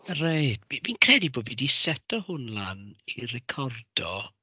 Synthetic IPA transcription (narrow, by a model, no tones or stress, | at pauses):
rejdmiminkʰrɛdiboːdvidisɛtʰɔhʊnlˠanirɛkʰɔrd̥ɔ